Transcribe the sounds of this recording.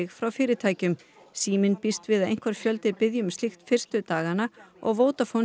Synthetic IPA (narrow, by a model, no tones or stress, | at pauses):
ɪɣfɾawfɪːɾɪt̪ʰaːjcʏm | siːmɪnpist̪vɪðaðḛjnŋ̥kvaɾ̥fjœlt̪ɪpɪðjʏmst̪ixt̪fɪr̥st̪ʏt̪aːɣanːaɔ̰ɣvoːwt̪afow